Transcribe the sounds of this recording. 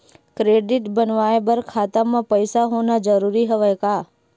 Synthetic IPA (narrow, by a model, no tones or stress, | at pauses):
kɾeɖiʈbənʋaebəɾkʰat̪amãpəjsaɦonad͡ʒəɾuɾiɦəʋaka